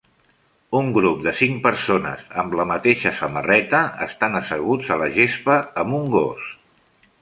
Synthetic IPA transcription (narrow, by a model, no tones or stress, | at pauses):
uŋɡɾup̚d̪əsiŋpəɾsonə̰zəmləmət̪eʃəsəmərɛt̪əəst̪anəsəɣ̞ud͡zələʒespəːmuŋɡo̰s